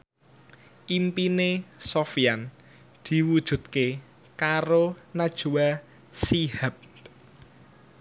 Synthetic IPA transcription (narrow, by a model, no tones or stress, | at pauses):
ʔimpinesofijan | d̪̥i̤wud̥ʒ̥ṳt̪̚ke | kaɾonad̥ʒ̥uwa | sihap̚